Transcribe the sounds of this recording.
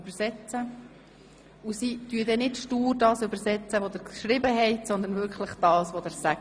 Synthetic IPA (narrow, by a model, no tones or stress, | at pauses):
b̥əɾsɛt͡sə | usityədɛnɪtʃtuːɾdɑːsʏbəɾsɛt͡səʋɔd̪æɾkʃɾɪbəɦɛɪtsɔnd̪ənvʏɾkχləχd̥ɑːsʋɔd̥̪æɾsæ